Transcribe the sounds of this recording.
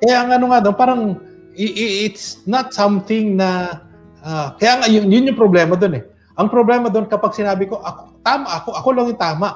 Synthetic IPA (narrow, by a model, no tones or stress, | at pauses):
kɐjaʔɐŋɐnoŋad̪onpaːɾɐŋ | ɪʔɪɪt̪snɐt̪sɐmθɪŋnɐ | ʔakɐjaːŋaʔjʊŋjʊnjʊŋpɾoblɛmɐd̪o̞nɛ | ʔɐŋpɾoblɛmɐd̪o̞nkɐpaɡ̚sɪnaːbɪko̞ʔɐkot̪aːmaʔɐko̞ʔɐko̞laŋʊŋt̪aːmɐʔ